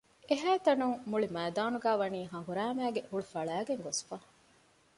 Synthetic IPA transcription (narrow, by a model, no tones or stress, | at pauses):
eɦæːt̪ɐnuŋmːuɭimæːd̪aːnuɡæːʋɐniːɦɐ̃ɦuɾæːmæːɡehuɭufɐɭæːɡeŋɡosfɐ